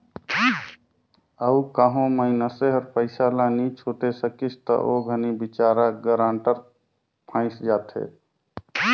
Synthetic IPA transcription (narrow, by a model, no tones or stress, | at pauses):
əukaɦõməɪnəseɦəɾpəɪsalanit͡ʃʰot̪esəkit͡ʃt̪ə̰ʔoɡʱənibit͡ʃaːɾaɡəɾãːɳʈəɾ | pʰãːɪsd͡ʒaːt̪ɦḛ